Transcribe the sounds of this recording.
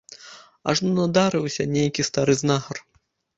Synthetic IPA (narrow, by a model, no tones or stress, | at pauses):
ɐ̰ʐnɔnad̪aɾɨwsʲɐnʲejkʲist̪aɾɨznaxɐr